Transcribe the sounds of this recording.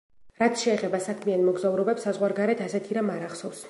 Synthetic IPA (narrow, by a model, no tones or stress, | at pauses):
ɾat̪sʰʃɛːχɛbasakʰmianmɔɡzauɾɔbɛpsːazʁwaɾɡaɾɛt̪ʰasɛt̪ʰiɾamaɾaχsɔfs